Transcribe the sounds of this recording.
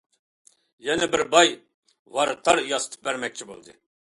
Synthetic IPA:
jɛnɛbɪɾbɑj | vɑɾɨt̪ʰɑɾjɑsɨ̥t̪ʰɨ̥p̚bæɾmɛk̚ʲt͡ʃʰibo̰lˠd̪ɨ̰

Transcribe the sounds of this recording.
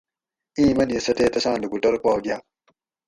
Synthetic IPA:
ʔĩmaniesɐtetɐsandiɡutɔɾpɔːɡia

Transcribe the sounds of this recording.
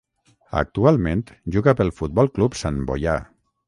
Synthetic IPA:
ə̰k̚t̪ualˠmẽnt̪ʒuɣapəlˠfut̪̚bɔlˠklupsanbo̰ja̰

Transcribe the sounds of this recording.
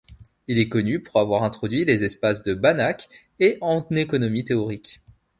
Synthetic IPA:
ilɛkɔnypuʁavwaʁɛ̃t̪χɔd̪ɥilezɛspasd̪əbanak | eʔɑ̃nekɔnɔmit̪eɔʁikʲ

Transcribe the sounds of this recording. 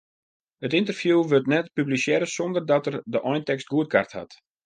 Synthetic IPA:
ətɪntərfjuːʋøtnɛtpyblisjɛɾəsɔndərdɔtərdəʔɔjntɛkst̚ɡuət̚kʰa̰rtha̰t

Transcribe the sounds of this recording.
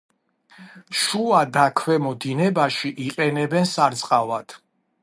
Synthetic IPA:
ʃuad̪akʰwɛmɔd̪inɛbaʃiʔiqʼɛnɛbɛnsaɾt̪sʼqʼavat̪ʰ

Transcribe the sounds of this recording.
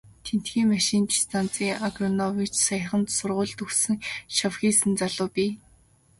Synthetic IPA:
t̪ʰen̥t̪xiːŋmaʃiːnt̪i̥st̪ʰant͡siːŋaɡrɔnɔwit͡ɕsaj̆χə̆nt̪sʊrʁʊːɮt̪ɵxsɘ̆ŋʃawxʲiːsɘ̆nt͡saɮʊːpʲiː

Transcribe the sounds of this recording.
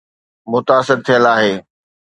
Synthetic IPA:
mʊt̪aːsɪɾt̪ʰijəlaːɦeː

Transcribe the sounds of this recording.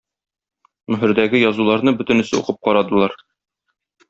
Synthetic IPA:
nɵ̆ɦɘ̆ɾd̪æɡɘjɒzulˠɑɾnɤbɵ̆t̪ɘ̆nɘ̆sɘṵqɤp̚qɒɾɑd̪ɤ̆lˠɑɾ

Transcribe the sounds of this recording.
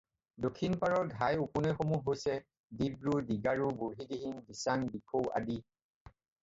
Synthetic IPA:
dokʰːinpaɹɔɹɡʱajupunɛxomuɦojsɛ | dibɹudiɡaɹuboɹɦidiɦiŋdisaŋbikʰowa̰di

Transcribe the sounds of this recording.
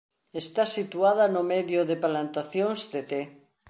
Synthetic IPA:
est̪asit̪uað̞anomeðjoðepalant̪aθjoŋzd̪et̪e

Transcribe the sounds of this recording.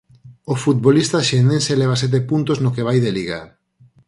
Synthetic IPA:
ofut̪̚βolist̪aʃenẽnseleβ̞as̬ɛt̪̬epunt̪oznokeβ̞ajðeliɣa̰

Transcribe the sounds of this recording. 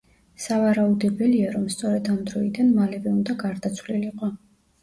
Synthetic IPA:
savaɾaud̪ɛbɛliaɾɔmst̪sʼɔɾɛd̪amd̪ɾɔid̪anmalɛvɛund̪aɡaɾd̪at̪sʰwliliqʼɔ

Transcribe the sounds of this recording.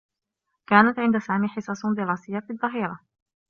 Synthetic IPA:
kaːnat̪ʕɪnd̪asaːmiːħɪsˤɑːsˤd̪ɪɾɑːsɪjːafiðˤːɑɦiːɾˤɑ

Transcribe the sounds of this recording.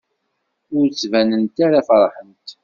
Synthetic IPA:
ʊɾt͡sːvænənt̪aɾafɾˤħənt̪

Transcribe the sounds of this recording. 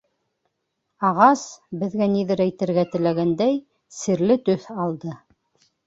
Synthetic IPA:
ɑʁɑsbɘ̆ðɡæniðɘɾæjt̪ɘ̆ɾɡæt̪ɘ̆læɡænd̪æj | sɘ̆ɾlɘt̪ɵθɑlˠd̪ɤ

